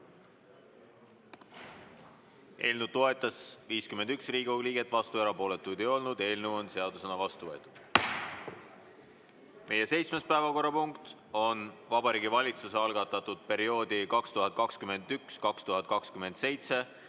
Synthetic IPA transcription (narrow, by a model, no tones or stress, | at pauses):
ʔe̞̰ːlnud̪̚t̪o̞e̞t̪ːˑɑsviːskymend̪̥yksriːɡuliːɡ̥e̞t̪ːˑvɑst̪ueɾɑpo̞ːle̞t̪ːˑujd̪ejo̞lnud̪e̞ːlnewo̞nse̞ɑd̪̥use̞nɑvɑst̪uvɤ̞et̪ˑud̪̥ | me̞je̞se̞jt̪smespæevɑko̞rːɑpuŋkt̪ | o̞nvɑbɑɾiːɡ̥ivɑlʲit̪suseɑlɡɑt̪ːˑɑt̪ːˑud̪̥̚pe̞ɾio̞ːd̪̥ikɑkst̪uɦɑtd̪̚kɑkskyme̞nd̪ykskɑkst̪uɦɑt̪̚kɑkskyme̞nd̪̥se̞jt̪se̞